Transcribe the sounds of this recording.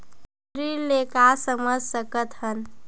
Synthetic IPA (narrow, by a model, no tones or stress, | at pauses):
ɾiɾlekasəməd͡ʒʱsəkət̪ɦən